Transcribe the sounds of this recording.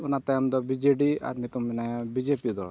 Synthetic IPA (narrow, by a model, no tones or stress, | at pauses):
unat̪ajamd̪ɔbid͡ʒeɖia̰ɾnit̪uminajãbid͡ʒepid̪ɔ̰